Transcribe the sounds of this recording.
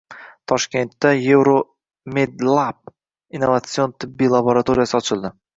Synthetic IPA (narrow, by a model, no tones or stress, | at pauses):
t̪ʰɒʃkʲe̞nt̪ːaje̞vɾo | med̪lˠap̚ | inːovat̪sio̞nt̪ʰɪbːijlˠaboɾat̪ʰoɾijasɪɒt͡ʃʰɪlˠd̪ɪ